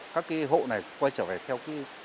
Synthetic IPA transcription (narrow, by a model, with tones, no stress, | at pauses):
kaː˦˥kːa˨˦ɦo̰˧˨na˨˩jkwaː˧jt͡ɕəː˧˩ve˨˩t̪ʰɛ˧wka˨˦